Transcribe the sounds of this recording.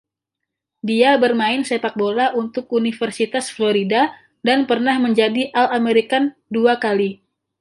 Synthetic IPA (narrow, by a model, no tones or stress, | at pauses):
diabərmaɪnsepat̪̚bolaʔunt̪ʊk̚unifərsit̪asfloɾida | danpərnahməɲd͡ʒadiʔalameɾikanduakali